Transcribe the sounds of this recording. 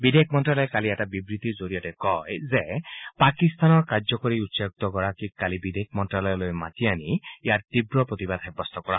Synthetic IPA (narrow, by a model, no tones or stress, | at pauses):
bid̪ʱekʰmɔntɹalɔjkaliɛtabibɹit̪izoɹijɔtɛkɔjzepakist̪anɔɹkaɹzɔkoɹiutsajk̚t̪ɔkɔɹakikkalibid̪ʱekʰmɔntɹalɔjɔlojma̰tianijaɹt̪ibɹɔpɹot̪ibad̪ʱɦɛbɔst̪ʰɔkɔɹa̰